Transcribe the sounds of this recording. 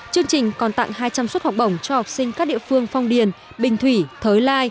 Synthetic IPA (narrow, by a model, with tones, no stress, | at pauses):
t͡ɕɨ˧əŋt͡ɕï˨˩ŋ̟kɔ˨˩nt̪a̰˧˨ŋhaː˧jt͡ɕa˧mswə˦˥t̚ha˨˩wk͡p̚ɗə˧˩wŋ͡mt͡ɕɔ˧ha˨˩wk͡p̚sï˧ŋ̟kaː˦˥k̚ɗḭ˧˨fɨ˧əŋfa˧wŋ͡mɗi˨˩ən | ɓï˨˩ŋ̟t̪ʰwi˧˩t̪ʰəː˨˦jlaː˧j